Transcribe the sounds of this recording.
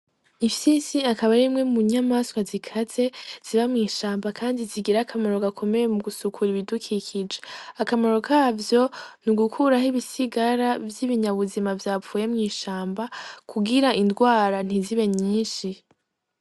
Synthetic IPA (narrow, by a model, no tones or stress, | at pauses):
ivjiːnsiakaβaɾimŋe̞muɲamaswazikʰaze̞z̥iβamŋiːʃaːmbakʰaːndiziɡiɾakʰamaɾo̞ɡakʰo̞me̞jemuɡusukʰuɾiβidukʰikʰid͡ʒeakamaɾo̞kaːvjo̞nuɡukʰuɾahiβisiɡaɾavjiβiɲaβuzimavjaːpfuːje̞mŋiːʃaːmbakʰuɡiɾaʔindɡwaːɾan̥iziβe̞ɲiːʃi